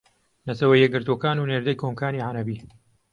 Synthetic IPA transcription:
nɐt̪ʰɐwɐjːɛɡ̚ːɨɾt̪okaːnuːneːɾd̪ɐjkʰomkʰaːniːʕaɾɐbiː

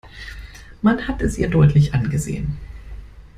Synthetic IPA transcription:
manhatɛsʔiːɐdɔʏtʰlɪçʔanɡəzḛːən

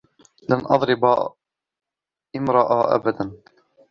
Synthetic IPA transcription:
lanʔɑðˤɾɪba | ʔɪmɾɑʔaʔa̰bad̪an

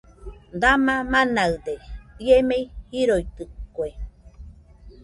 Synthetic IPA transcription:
d̪amãmãnaɨd̪eiemeihiɾojt̪ɨkːoe

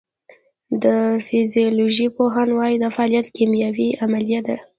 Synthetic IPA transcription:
d̪əfɪzijoloʒipoɦanwɑjid̪əfaɑljat̪kimjawiamalijad̪e

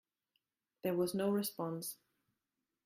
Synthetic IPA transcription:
ðə˞wʌznoʊɹɪspɑ̃ns

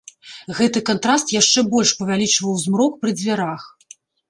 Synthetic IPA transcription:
ɣɛt̪ɨkant̪ɾast̪jaʂt͡ʂɛbɔlʲʂpɐvʲalʲit͡ʂvɐwzmɾɔkpɾɨd͡zʲvʲaɾax

